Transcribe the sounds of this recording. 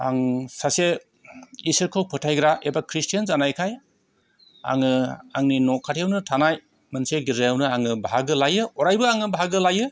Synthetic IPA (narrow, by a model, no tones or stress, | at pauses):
a̰ŋsase | isɯɾkʰowpʰɯtʰajɡɾaʔebakʰɾistʰijanzanajkʰaj | a̰ŋɯaŋninɔkʰːatʰijawnɯtʰanaj | mɯnseɡiɾɯjawnɯaŋɯbʱaɡɯlajɯɔɾajbɯaŋɯbʱaɡɯlajɯ